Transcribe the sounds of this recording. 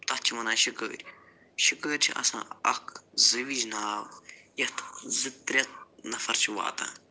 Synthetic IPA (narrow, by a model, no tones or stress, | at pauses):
t̪ɐt̪t͡ʃʰiʋɐnaːʃikə̰ːɾʲ | ʃikəːɾʲt͡ʃʰiʔɐ̰sã̰ːɐkʰzɨʋid͡ʒnaːwjɐt̪ʰzɨt̪ɾʲɐt̪̚nɐfɐɾt͡ʃʰiʋa̰ːt̪ã̰ː